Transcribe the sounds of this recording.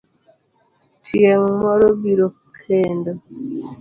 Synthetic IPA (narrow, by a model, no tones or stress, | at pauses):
tieŋ̩mɔɾobiɾo | kʰendo